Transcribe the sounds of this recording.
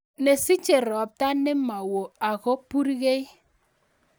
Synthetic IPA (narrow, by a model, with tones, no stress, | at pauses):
ne˨si˦t͡ʃe˨ɾɔ˨p̚ta˦ne˦ma˨wo˨a˨ɣo˦pu˦ɾi˦ɣe˦i˦